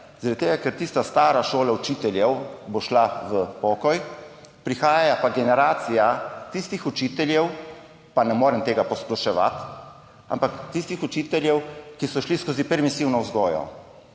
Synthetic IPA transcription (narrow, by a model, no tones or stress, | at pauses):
zaɾad̪t̪eːɡakɛɾt̪iːst̪ast̪aːɾaʃoːlaut͡ʃit̪ɛljɛwboʃlaʋəpɔːkɔj | pɾixaːjajapaɡɛnɛɾaːt̪sijat̪ist̪ixut͡ʃiːt̪ɛljɛw | panɛmoːɾɛmt̪eːɡapɔsplɔʃɛʋa̰t̪ | a̰mpakt̪ist̪ixut͡ʃit̪ɛljɛwkisɔʃliskoːzipɛɾmisiwnɔwzɡɔːjɔ̰